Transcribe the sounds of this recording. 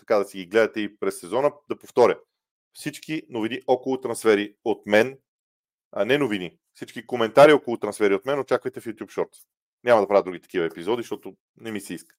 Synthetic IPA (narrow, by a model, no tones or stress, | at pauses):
t̪ɐ̥kad̪ɐsiɡiɡlɛd̪ɐt̪ɛipɾɛsːɛzɔnəd̪ɐpoft̪ɔɾʲə | fsit͡ʃkinoviniʔɔkʊlˠʊt̪ɾɐnsfɛɾiot̪mɛn | nɛnovini | fsit͡ʃkikomɛnt̪aɾiɔkolˠʊt̪ɾɐnsfɛɾiot̪mɛnot͡ʃakvəjt̪ɛfjut̪jupʃɔɾt̪ | nʲamɐd̪ɐpɾavəd̪ɾuɡʲit̪ɐ̥kivəɛpizɔd̪iʃt̪ɔt̪ʊ | nɛmisɛiskə̥